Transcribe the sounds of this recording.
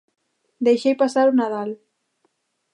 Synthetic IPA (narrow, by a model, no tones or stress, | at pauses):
d̪ejʃejpasaɾunaðal